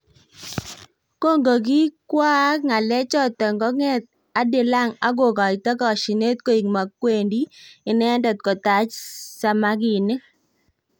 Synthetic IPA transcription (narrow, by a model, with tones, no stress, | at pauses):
ko˦ŋɡo˨ɡi˦kwa˦ŋa˨lɛ˦t͡ʃɔ˦t̪ɔ˨ŋɡɔ˦ŋɛ˦t̪̚ | a˨˦dɪ˨la˦˨ŋa˦ɡo˨ɡa˨i˨t̪a˦kɔ˨ʃi˨ne˦t̪̚ko˦i˨ŋma˨kwe˨ndi˦ɪ˨nɛ˦ndɔ˨t̪̚kɔ˨ta˨t͡ʃsa˦ma˦ɡɪ˨nɪ˦